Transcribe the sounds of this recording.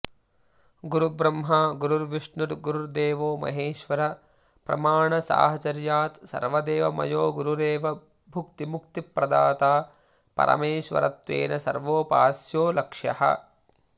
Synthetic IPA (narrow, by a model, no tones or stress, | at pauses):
ɡuɾubɾɐmɦɐɡuɾuɾʋiʂɳuʈ̪ɡuɾuɾd̪eːʋoːmɐ̰ɦeːʃʋɐɾɐ | pɾɐ̰maːɳɐsa̰ːɦɐt͡ʃɐɾjaːt̪sɐ̰ɾʋɐd̪eːʋɐmɐ̰joːɡuɾuɾeːʋɐ | bʱukt̪imukt̪ipɾɐd̪aːt̪aː | pɐ̰ɾʔɐ̰meːʃʋɐ̰ɾɐ̰t̪ʋḛːnɐsɐ̰ɾʋoːpaːsjoːlɐkʂjɐ̰hɐ̰